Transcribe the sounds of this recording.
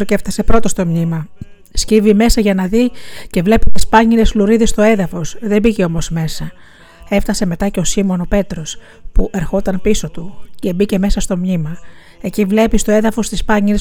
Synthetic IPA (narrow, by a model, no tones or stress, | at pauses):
oceeft̪ɐse̞pɾo̞t̪o̞st̪o̞mɲimɐ | scivime̞sɐʝɐnɐðice̞vle̞pit̪ispɐɲiɾe̞sluɾiðest̪o̞e̞ðɐfo̞sðe̞bice̞o̞mo̞zme̞sɐ | e̞ft̪ɐse̞me̞t̪ɐce̞o̞simo̞no̞pe̞t̪ɾo̞s | puʔe̞ɾxo̞t̪ɐnpiso̞t̪uce̞bice̞me̞sɐst̪o̞mɲimɐ | e̞civle̞pist̪o̞e̞ðɐfo̞st̪ispɐɲiles